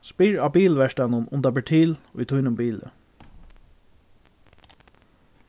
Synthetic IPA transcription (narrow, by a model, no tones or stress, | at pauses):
spɪɹɑːbiːlʋæʃʈɑnənʊ̰nd̪ɑbɛʈʰiːlʏ̰t̪ʰʊjnʊmbiːlə̰